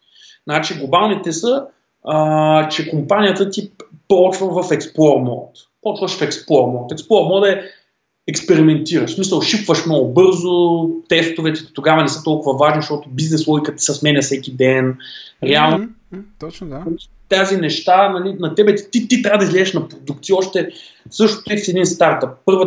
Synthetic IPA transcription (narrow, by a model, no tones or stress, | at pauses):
znat͡ʃiɡlˠobalˠnit̪ɛsə | ət͡ʃɛkompanʲijət̪ət̪ipɔt͡ʃvəvɐfɛksplˠɔɾmɔ̰t̪ | pɔt͡ʃvəʃfɛksplˠɔɾmɔt̪ɛksplˠɔɾmɔd̪ɛ | ɛkspɛɾimɛnt̪iɾəʃsmisəlˠʃipvəʃmnɔɡʊbɤɾzʊt̪ɛst̪ovɛt̪ɛt̪oɡavɐnɛsɤt̪ɔlˠkʊvɐvaʒniʃt̪ɔt̪ʊbiznɛslˠɔjkət̪i̥sɐsmɛnʲɛfsɛkʲid̪ɛnɾɛalˠn | ɐi | t̪azinɛʃt̪anɐlinɐt̪ɛbɛt̪it̪it̪it̪ɾʲavəd̪ɐizlɛzɛʃnɐpɾod̪uk̚t̪siɔʃt̪ɛsɤʃt̪ʊ̥t̪isiɛd̪inst̪aɾt̪əp̚ːɤɾvə